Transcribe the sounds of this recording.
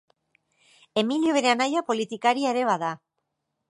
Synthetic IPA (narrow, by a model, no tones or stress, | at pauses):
e̞miljoβe̞ɾeanajapo̞lit̪ikaɾiaeɾe̞βaða